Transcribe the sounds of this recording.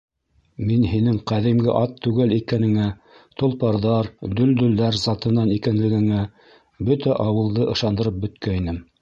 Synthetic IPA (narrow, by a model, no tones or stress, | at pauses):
minhinɘŋqæðimɡɘʔɑt̪ʰːʉɡælikænɘ̆ŋæ | t̪ŏlˠpɑɾðɑɾd̪ɵld̪ɵ̆lːæɾzɑt̪ɤ̆nɑnikænlɘ̆ɡɘ̆ŋæ | bɵt̪æʔɑwɤ̆lˠd̪ɤʔɤ̆ʃɑnd̪ɤ̆ɾɤp̚bɵ̆t̪kæinɘm